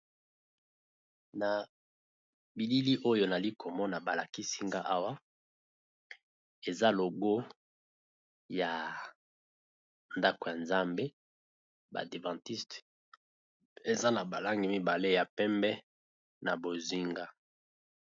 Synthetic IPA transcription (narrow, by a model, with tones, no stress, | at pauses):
na˨ | bi˨li˦li˦ʔo˦jo˦na˨li˦ko˨mɔ˦na˨ba˨la˨ki˦si˦ŋɡa˦ʔa˦wa˦ | e˨za˦lo˨ɡo˦ | ja˨ | nda˦ko˨ja˨nza˦mbe˦ | ba̰˨de˨vɑ̃˨ti˦st | e˨za˦na˨ba˨la˦ŋɡi˨mi˦ba˨le˦ja˨pɛ˦mbɛ˦ | na˨bo˨zi˦ŋɡa˦